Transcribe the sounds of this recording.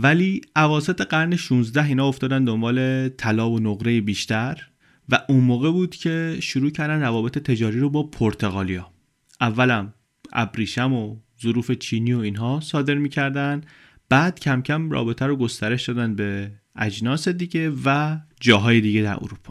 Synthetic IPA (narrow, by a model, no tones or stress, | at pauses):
væliːʔævɒːse̞t̪ʰe̞ɡæɾne̞ʃuːnzd̪æɦiːnɒːoft̪ɒːd̪ænd̪o̞mbɒːle̞t̪ʰælɒːbonoɣɾejebiːʃt̪æɾ | væʔunmoːɣe̞buːd̪̥cʰe̞ʃuɾuːcʰæɾd̪ænrævɒːbe̞t̪ʰet̪ʰe̞d͡ʒɒːɾiːɾobɒːpʰoɾt̪ʰe̞ɣɒːlijɒː | ʔævːælæm | ʔæ̰bɾiːʃæmo̞ | zoɾuːfe̞t͡ʃʰiːnio̞iːnɦɒːsɒːd̪e̞ɾmiːcʰæɾd̪ænd̪ | b̥æːd̪̥cʰæmcʰæmrɒ̰ːbe̞t̪ʰæɾoɡo̞st̪æɾe̞ʃd̪ɒːd̪ænd̪̚be̞ʔæd͡ʒnɒːse̞d̪iːɟe̞væd͡ʒɒːɦɒːje̞d̪iːɟe̞d̪æ̰ɾo̰ɾupʰɒ̥